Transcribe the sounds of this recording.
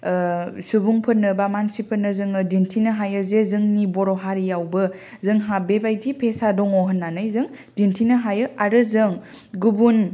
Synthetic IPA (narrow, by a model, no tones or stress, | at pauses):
subuŋpʰɯnːɯbamansipʰɯnɯzɯŋɯdintʰinɯɦajɯzezɯŋnibɔɾɔɦaɾijawbɯ | zɯŋɦabebajdipʰesadɔŋɔɦɯnːanɯjzɯŋ | dintʰinɯɦajɯʔaɾɯzɯŋ | ɡubun